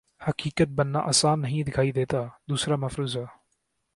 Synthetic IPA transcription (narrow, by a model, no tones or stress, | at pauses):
həkiːkət̪̚bənːã̰ːʔəːsaːnːəɦĩːd̪ɪkʰaːiːd̪eːt̪aːd̪uːsɾaːməfɾuːzɦɛː